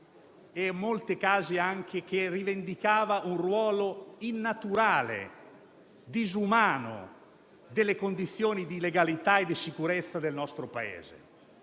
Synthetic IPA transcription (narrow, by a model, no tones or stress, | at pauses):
ɛmːolt̪ekaːziaŋk̟ʰek̟erːivend̪ikaːvaʔunrwɔːloinːat̪uɾaːlḛ | d̪izumaːno̰ | d̪elːekond̪it̪sːjoːnid̪ileɡalit̪aed̪ːisikuɾet̪sːad̪elnɔst̪ɾopaḛːzḛ